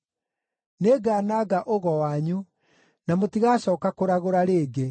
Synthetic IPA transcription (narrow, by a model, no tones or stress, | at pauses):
neːɡaːnaːɡaʔoɣɔwaɲu | namotiɣaːɕɔːkakoɾaɣoɾaɾeːɡe